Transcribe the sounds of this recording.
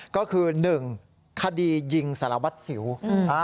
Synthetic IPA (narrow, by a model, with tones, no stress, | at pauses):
kɔː˥˩kʰɯː˧nɯ˨˩ŋ | kʰa˧diː˧ji˧ŋsa˧˦la˧wa˦˥t̪̚si˩˦wa˧˦